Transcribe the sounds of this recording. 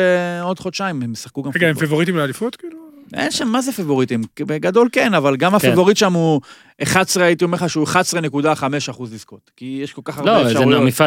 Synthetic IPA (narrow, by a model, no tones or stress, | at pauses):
eo̞dχo̞t̪ʃaimemjesḁχkuɡameɡaemfevoʁit̪imlealifut̪kiːluḛnʃamːazefevo̞ʁit̪imbeɡado̞lkenavalɡamafevo̞ʁit̪ʃamu | ʔeχadsʁeait̪iome̞ʁχaʃeueχad̪sʁene̞kud̪aχame̞ʃaχuzlisko̞t̪kijeʃko̞lkaχaʁloeʃaeamifa